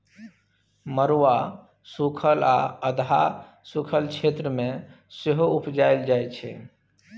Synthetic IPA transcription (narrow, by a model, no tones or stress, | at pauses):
məɾwa | sukʰəla̰əd̪ʱa̰ | sukʰəlt͡ʃʰeːt̪ɾəmẽ | sɪɦoʊpd͡ʒaːjld͡ʒaːjt͡ʃʰɛ̰